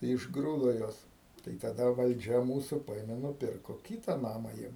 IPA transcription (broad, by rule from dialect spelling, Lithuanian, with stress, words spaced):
tɐɪ ɪʒɡˈruːdoː ˈjuɔs tɐɪ tɐˈdɐ ʋɐlʲˈd͡ʒʲɛ ˈmuːsʊ ˈpɐeːmʲɛ nʊˈpʲɪrkoː ˈkʲiːtɐ ˈnɑːmɐ ˈjiɛm